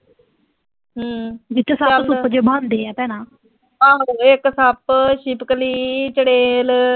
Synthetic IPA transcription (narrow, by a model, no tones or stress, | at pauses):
ɦːd͡ʒɪt̪ːsaːpsʊpd͡ʒebãːnd̪eːɛːp̪ɛːnãː | aːɦoeksapʃiːpkəliːt͡ʃəɽeːl